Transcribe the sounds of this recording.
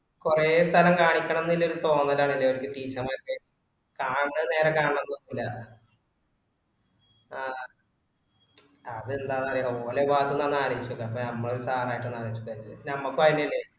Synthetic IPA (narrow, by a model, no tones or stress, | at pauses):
kureːst̪ʰɐlɐmkaːɳikʲːɐɳɐenːilːeɾt̪ːo̞ːnːɐlːaːɳilːɐoɾikʲːɨʈiːt͡ɕɐmɐkːɨ | kaːɳːɨne̞ːɾɐkaːɳɳenːonːilːɐ | aː | ɐðɨend̪aːðaːɾeoːleʋaːk̪unːaːnːaːɾɐʋit͡ɕːuɣɐɐpːonɐmːɐɭesaːraːjiʈːenːaːɾɐʋit͡ɕːukːɐɾuɨnɐmːɐkːɨʋɐjinːilːe